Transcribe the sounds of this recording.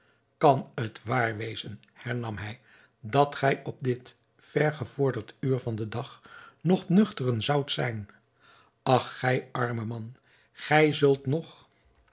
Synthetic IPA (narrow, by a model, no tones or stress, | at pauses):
kɑnətʋaːɹʋejzən | hɛɹnɑmɦɛj | dɑtχɛjɔb̚dɪt | fɛɹχəv̥ʊːɹdəɹtyːɹvɑndədɑχnɔχnɵχtərənzɑwtsɛjn | ɑχːɛjʔɑɹməmɑn | χɛjzɵlˠtnɔχ